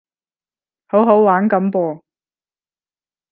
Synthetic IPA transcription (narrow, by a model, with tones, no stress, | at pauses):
ho˨˥wɦo˨˥wwaː˨˥nkɐ˨˥mpɔː˧